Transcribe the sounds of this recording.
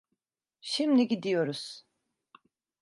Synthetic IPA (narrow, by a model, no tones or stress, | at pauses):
ʃimliɟid̪ijo̞ɾuz̥